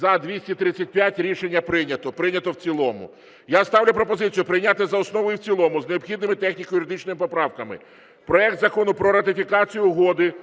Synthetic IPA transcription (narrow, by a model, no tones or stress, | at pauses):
ɐd̪ʋʲisʲtʲit̪ɾɪt͡sʲːɐt̚ʲpʲjatʲɾʲiʃenʲːɐpɾɪnʲɐt̪ɔpɾɪnʲɐt̪ɔwt͡sʲilˠɔmʊ̰ | jast̪ɑwlʲʊpɾɔpɔzɪt͡sʲijʊpɾɪjnʲat̪ɪzɐɔsnɔʋɔjʊwt͡sʲilˠɔmʊzneɔpxʲid̪nɪmɪt̪ɛxnʲikɔjʊɾʲɪd̪ɪt͡ʃnɔmɪpɔpɾɑwkɐmɪ̰ | pɾɔɛk̚t̪zɐkɔnʊpɾɔɾɐt̪ɪfʲikɑt͡sʲijʊɦɔd̪ɪ